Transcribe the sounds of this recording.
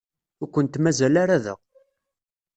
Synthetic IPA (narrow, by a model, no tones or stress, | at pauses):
ʊɾkʷːənt̪mæzælaɾæðə̰ʁ